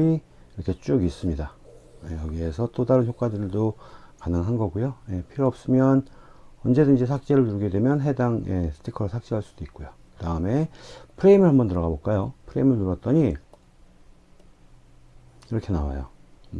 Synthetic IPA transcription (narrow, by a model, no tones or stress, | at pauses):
i | iɾʌkʰe̞t͡ɕ͈uɡiːs͈ɯmɲida | jejʌɡie̞sʰʌt͈odaɾɯnçjok͈̚wadɯɭdokanɯŋɦanɡʌɡujoje̞pʰiɾjoʌp̚s͈ɯmjʌn | ʌnd͡ʑe̞dɯnd͡ʑisʰak̚t͡ɕ͈e̞ɾɯɭtuɾɯɡe̞dwe̞mjʌnɦe̞daŋjʔe̞sʰɯ̥tʰikʰʌɾosʰak̚t͡ɕ͈iɦaɭs͈ud̥oik̚k͈ojokɯdaɯme̞pʰɯɾe̞imɯɭɦambʌntɯɾʌɣaboɭk͈ajopʰɯɾe̞imɯɭtuɾʌt̚t͈ʌɲi | kiɾʌkʰe̞nawa̰jo̰